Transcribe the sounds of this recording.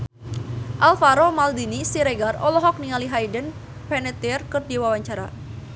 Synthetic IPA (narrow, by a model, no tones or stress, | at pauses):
ʔalfaɾomald̪inisiɾeɡarɔlɔɦɔk̚niŋaliɦajdən | pɛnɛt̪irkərdiwawaɲt͡ʃaɾa̰